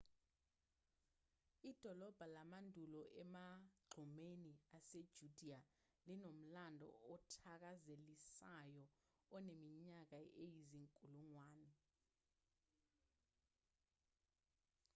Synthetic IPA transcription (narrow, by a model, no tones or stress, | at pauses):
id̥ʱɔlɔb̥ʱalamandʱulɔʔɛmaɡ͡ǃʱumeniased̥ʒ̥ʱud̥ʱia | linom̩landʱɔ̰ɔtʰak̬azelisajɔ | ɔnemiɲak̬aejiziŋkʼuluŋwaːnɛ